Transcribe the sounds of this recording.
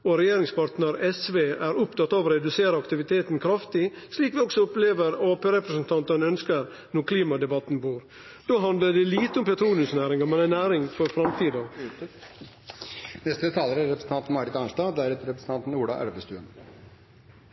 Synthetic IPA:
oɾɛjeːɾɪŋspɑɾʈ̪nəɾɛsʋeːæɾʊpt̪ɑt̪ːɑːʋoɾɛd̪ʉseːɾəɑkt̪ɪʋɪt̪ʰeːt̪n̩kʰɾɑft̪ɪsliːkʋɪɔksɔʊpleːʋəɾoːpeːɾɛpɾəsnt̪ʰɑnt̪ənœnskəɾ | nɔɾkʰliːmɑd̪ɛbɑt̪ːnbuːɾ | d̪̥oːɦɑnd̪ləɖɛliːt̪əʊmpɛt̪ʰɾuːlʉsnæːɾɪŋɑmɛnænæːɾɪŋfɔɾfɾɑmt̪ʰiːd̪ɑ | nɛst̪ət̪ʰɑːləɾæɾɛpɾsn̩ɑnt̪n̩mɑɾɪt̪ɑnʂdɑːd̪æɾɛt̪əɾɛpɾəsn̩t̪ɑnt̪n̩uːɖɑ̰ːʔæ̰ɽʋəst̪ʉːə̰n

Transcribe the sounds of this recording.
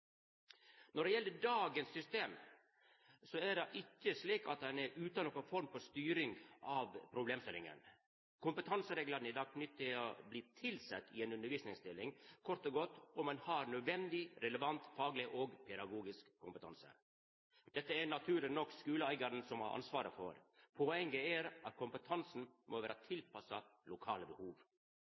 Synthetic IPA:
nɔɖɛjɛlːəɖɑːɡənsːʏst̪eːm | sɔæɖɑʔɪkːəsliːkɑ̰t̪̚d̪ɛnɛɾʉːt̪ɑnoːkənfɔɾmfɔst̪yːɾɪŋʔɑːʋpʰɾʊbleːmst̪ɪlɪ̰ŋə̰n | kʰʊmpət̪ʰɑnsəɾeːɡlɑɾnɪd̪ɑːɡ̚pʰnʏt̪ːɪobliːt̪ʰɪlsɛ̰t̪ːɪeːnʉnəɾʋiːsnɪŋst̪ɪlːɪŋkʰɔɾt̪ɔɡɔt̪ːɔmːɑnhɑɾnœd̪ʋɛnd̪ɪɾɛləʋɑnt̪fɑːɡlɪʔoːɡpʰɛd̪ɑɡuːɡɪskʰːʊmpət̪ʰɑ̰nsə̰ | d̪̥ɛt̪ːəɛnɑt̪ʰʉːɾənɔkːskʉːləæɪɡɑɾənsɔmɑ̰ɾʔɑ̰nsʋɑːɾə̰fɔ̰ɾpʰoɛŋɡəɛɾɑt̪̚kʰʊmpət̪ʰɑnsn̩mʔoʋæːɾət̪ʰɪlpɑsɑlʊkʰɑːləbəhuːʋ

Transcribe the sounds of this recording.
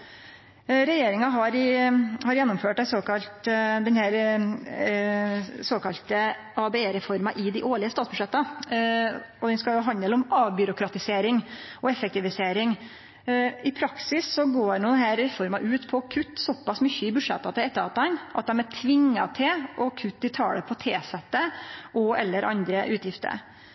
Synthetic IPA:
ɾɛjeːɾɪŋɑɦɑɾɪhɑɾjɛnːɔmføːʈːæsoːkɑlt̪d̪ɛnhæːɾ | soːkɑlt̪ə | ɑbɛeːɾɛfɔɾmɑʔɪd̪ɪʔoːɭɪəst̪ɑːt̪sbʉʂɛt̪ːɑ | ɔd̪ɛnskɑljʊɦɑnd̪əlɔmɑːʋbʏɾʊkʰɾɑt̪ɪseːɾɪŋʔɔɛfɛkt̪ɪʋɪseːɾɪŋ | ɪpʰɾɑksɪsːɔɡoːnuːd̪ɛhæːɾːɛfɔɾmɑʔʉːt̪pʰɔkʰʉt̪ːsɔpːɑsmʏçːəɪbʉ̥ʂɛt̪ːɑt̪ɪɛt̪ːəɾɑt̪ːɑnʔɑt̪̚d̪ɛmæʈʰʋɪŋːɑt̪ʰɪlʔɔkʰʉt̪̚d̪ɪt̪ʰɑ̰ːləpʰɔt̪ʰeːsɛt̪ːəʔɔʔɛlːəɾʔɑ̰nd̪ɾəʔʉːt̪jɪft̪ə̰ɾ̰

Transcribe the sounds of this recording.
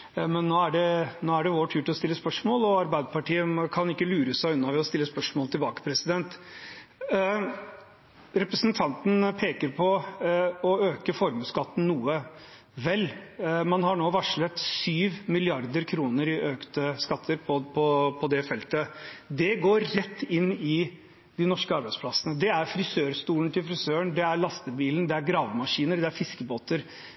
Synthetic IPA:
mɛnːoːæɖɛnoːæɖɛʋoːʈʰʉːʈɪlɔst̪ɪlːəspœʂmoːlɔɑɾbæɪd̪əpɑʈʰiːəkʰɑnɪkːəlʉːɾəsæɪʉnːɑʋɛɔst̪ɪlːəspœʂmoːlət̪ɪlbɑːkə̥pʰɾɛsɪd̪ɛnt̪ | ɾɛpɾəsnt̪ʰɑnt̪n̩pʰeːkəɾpʰɔ | ɔøːkəfɔɾmskɑt̪ːn̩nuːə | ʋɛlːmɑnɦɑɳoːʋɑʂɭɛt̪syːʋmɪlɪɑɾd̪əɾkʰɾuːnəɾɪʔøːkt̪əskɑt̪ʰːəɾpʰɔpʰɔpʰɔd̪ɛfɛlt̪əd̪ɛɡoːɾːɛt̪ːɪnːɪ | d̪ɪnɔʂkəɑɾbæɪspʰlɑsənəd̪ɛæɾfɾɪsøːɾst̪uːln̩t̪ʰɪlfɾɪsøːəɳd̪ɛæɾɭɑst̪əbiːln̩d̪ɛæɾɡɾɑːʋmɑʂiːnəɾd̪ɛæɾfɪskəboːt̪əɾ

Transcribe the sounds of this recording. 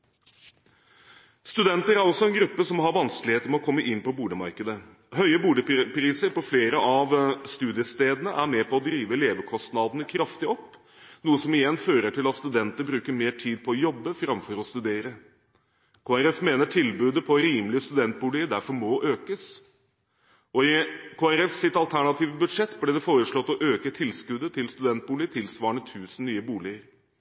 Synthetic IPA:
st̪ʉd̪ɛnt̪əɾæɾɔsːɔɛnɡɾʉpːəsɔmːhɑɾʋɑnsklɪheːt̪əmɛɔkʰɔmːəʔɪnːpɔbuːɖ̪əmɑ̰ɾkəd̪ə | ɦœʏəbuːɖ̪əpɾiːsəɾpɔfleːɾəʔɑʋst̪ʉːd̪ɪəst̪eːd̪ənəʔæmeːpʰɔːd̪ɾiːʋəleːʋəkʰɔst̪nɑd̪ənəkʰɾɑft̪ɪɔpː | nuːəsɔmɪjɛnːføːɾəʈʰɪlɑt̪st̪ʉd̪ɛnt̪əɾbɾʉːkəɾmeːʈʰiːd̪̚pʰɔɔjɔbːəfɾɑmfɔɾɔst̪ʉd̪eːɾə | kʰoːæɾɛfmeːnəʈʰɪlbʉːd̪əpʰɔɾiːmlɪəst̪ʉd̪ɛnt̪̚buːlɪəd̪æɾfɔɾmɔʔøːkəs | ʔɔɪkʰoːæɾɛfsɪt̪ɑlt̪ʰæɳɑt̪ʰiːʋəbʉd̪ʂɛt̪ːblɪd̪ɛfoːɾəʂɭɔt̪ːɔʔøːkət̪ʰɪlskʉd̪ət̪ʰɪlst̪ʉd̪ɛnt̪̚buːlɪət̪ʰɪlsʋɑːɳət̪ʰʉːsən̩nyːəbuːlɪəɾ

